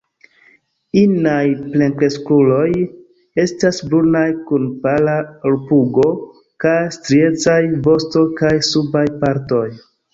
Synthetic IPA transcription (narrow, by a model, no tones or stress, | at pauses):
inajple̞ŋkɾe̞skulo̞j | e̞stasbunajkunpalaoɾpuɡo̞ | kajstɾie̞t͡sajvo̞sto̞kajsubajpaɾto̞j